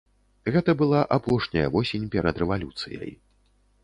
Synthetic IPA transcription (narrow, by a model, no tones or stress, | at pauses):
ɣɛt̪ɐbɨlˠaʔapɔʂnʲɐjɐ̰vɔsʲenʲpʲɛɾɐd̪rɛvalʲut̪sɨjɐ̰j